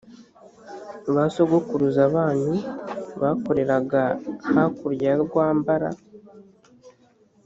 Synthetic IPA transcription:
uβaso̞ɡo̞kuɾuzaβaːnuβaːko̞ɾe̞ɾaɡahakuɾjaɾɡwaːmbaɾa̰

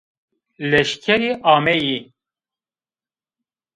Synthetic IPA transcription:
lɛʃkʰɛɾiːʔaːmɛji

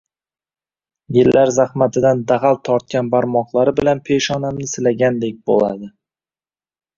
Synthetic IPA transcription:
jɪlːaɾzahmat̪ʰɪd̪and̪aʁalt̪ʰɒɾt̪̚kʲanbaɾmɒqlˠaɾɪbɪlanpʰe̞ʃɒnamnɪsɪlaɡʲand̪ek̚ʲbo̰lˠa̰d̪ɪ

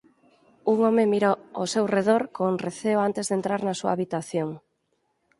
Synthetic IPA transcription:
uŋɔmemiɾoosewreðoɾkoŋreθeoant̪ezðent̪ɾaɾnasua̰aβit̪aθjoŋ

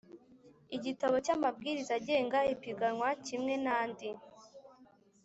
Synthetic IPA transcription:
iɟitaβo̞camab̚ɡiːɾizaɟe̞ːŋɡaipiɡanwacimŋe̞naːndi

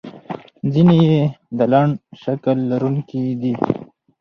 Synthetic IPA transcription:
zinejed̪əlaɳʃakəlːaɾuŋkid̪i

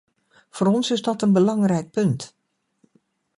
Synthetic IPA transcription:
foːɾɔnsɪzdɔtənbəlɑŋrɛjk̚pɵnt

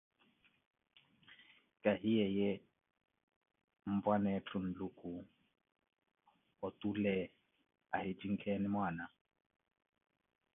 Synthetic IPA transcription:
kʼaɦijɛjɛ | m̩bwanɛt͡ɬʰʼʊn̩lukʼu | ɔtʼulɛ | a̰hɪd͡ʒʼiŋ̩kʰɛnɪmwaːna

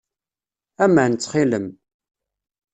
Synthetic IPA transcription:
æmənt͡sːχɪləm

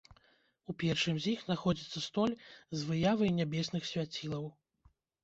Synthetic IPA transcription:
upʲɛrʂɨmzʲixnaxɔd͡zʲit̪sːɐst̪ɔlʲzvɨjavɐjnʲabʲɛsnɨxsʲvʲat͡sʲilˠɐw

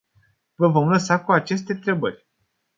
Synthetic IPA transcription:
vəvo̞mləsakuat͡ʃe̞s̬t̪e̞nt̪ɾe̞bərʲ

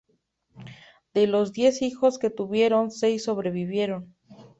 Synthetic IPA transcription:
d̪̥e̞lo̞zd̪je̞sixo̞ske̞t̪uβje̞ɾo̞nse̞jsːo̞βɾe̞βiβje̞ɾo̞n

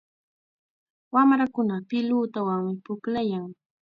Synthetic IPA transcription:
wamɾakʊnapɪluːt̪awaŋmɪpʊklajaŋ

